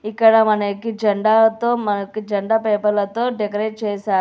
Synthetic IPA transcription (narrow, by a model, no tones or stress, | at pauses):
ikːɐɽɐmɐnɐkid͡ʒɐɳɖaːt̪oːmɐnɐkid͡ʒɐɳɖaːpeːpɐɾlɐt̪o̞ːɖekɐɾeːʈ̚t͡ʃɛːʃaːɾ